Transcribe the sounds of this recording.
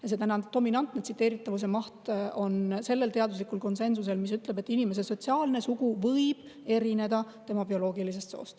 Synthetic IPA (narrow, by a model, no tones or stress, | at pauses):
jɑs̬e̞t̪ænɑd̪o̞minɑnt̪net̪sit̪ːˑe̞ːɾit̪ːˑɑvus̬e̞mɑht̪o̞nse̞lːe̞lt̪e̞ɑd̪uslikːˑulko̞nse̞nsus̬e̞lmis̬yt̪ˑle̞be̞t̪ːˑinime̞s̬eso̞tsiɑːlne̞suɡ̥uvɤjb̥ | e̞ɾine̞d̪̥ɑt̪e̞mɑbio̞lo̞ːɡilis̬e̞st̪so̞̰ːst̪